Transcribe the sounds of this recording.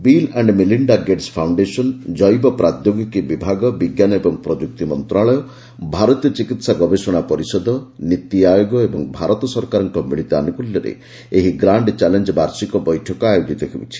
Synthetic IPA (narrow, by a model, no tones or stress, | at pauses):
bileɳɖmiliɳɖaɡeɖspʰawɳɖesɔnd͡ʒɔjbɔpɾad̪joɡɔkibibʱaɡɔbiɡjanɔebɔŋpɾɔd͡ʒuk̚t̪imɔnt̪ɾaɭɔjɔ | bʱaɾɔt̪ijɔt͡ʃikit̪saɡɔbesɔɽ̃apɔɾisɔd̪ɔnit̪ːiajoɡɔebɔŋbʱaɾɔt̪ɔsɔɾkaɾɔŋkɔmiɭit̪ɔa̰nukuljɔɾḛ | eɦiɡɾaɳɖt͡ʃalend͡ʒbaɾsikɔbɔjʈʰɔkɔajod͡ʒit̪ɔkʰibṵt͡ʃʰi̥